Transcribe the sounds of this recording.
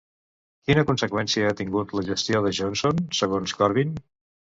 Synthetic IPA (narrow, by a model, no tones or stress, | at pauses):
kinəkunsəkwɛnsiəat̪iŋɡut̪ləʒəst̪ijoðəʒonsonsəɣonskɔɾβin